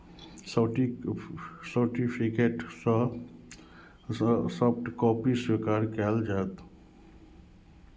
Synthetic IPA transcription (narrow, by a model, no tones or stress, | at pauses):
s | səɾʈipʰikeʈs | səpʈkɔːpiswikaːɾkɛːld͡ʒaːt̪